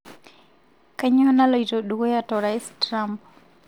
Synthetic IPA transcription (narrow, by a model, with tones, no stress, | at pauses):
ka˦ɲɔ˦na˦lo˨i˨to˨ɗuɡo˦ja˦tɔ˨ɾa˨ɛstɾa˦mp